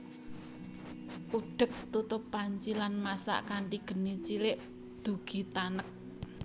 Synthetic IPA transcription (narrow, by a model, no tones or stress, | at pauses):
ʔuɖ̥ə̤k̚t̪ut̪ʊpːaɲt͡ʃilanmasa̰ʔkaɳʈiɡ̥ə̤nit͡ʃilɪʔ | d̪̥ṳɡ̥i̤t̪anək̚